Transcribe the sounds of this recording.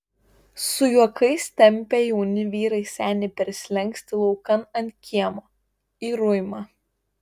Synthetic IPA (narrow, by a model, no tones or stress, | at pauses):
sʊjuɔkɐɪst̪ʲɛmʲpʲejuʊnʲɪʋʲiːɾɐɪsʲæːnʲɪpʲɛɾʲsʲlʲɛŋʲksʲt̪ʲɪlˠɒʊkɐnɐnʲt̪̚ʲkʲiɛmoː | iːɾʊjmɐ